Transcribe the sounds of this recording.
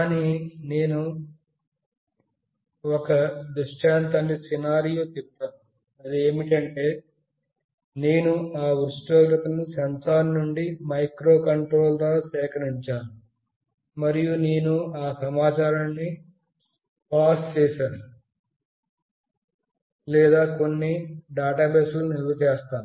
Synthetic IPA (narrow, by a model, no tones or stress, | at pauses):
kaːnine̞ːnu | ɔkɐd̪uʂʈaːnt̪ɐɳɖisinaːɾijoːt̪ip̚t̪aːnu | ɐd̪iemiʈeɳeː | ne̞ːnuaːʋɾuʂʈɐːɾɐt̪ɐnusɐnsaːnnuɳɖimɐjkɾo̞ːkɐɳʈɾoːld̪oːsɛːkɐɾiɲt͡ʃaːnu | mɐɾijuneːnuaːsɐmaːt͡ʃaːɾɐnːi | paːst͡ʃɛːsaːnu | lɛːd̪aːko̞nːiɖaːʈaːbeːsuluniɾʋɐt͡ʃɛːst̪aːnu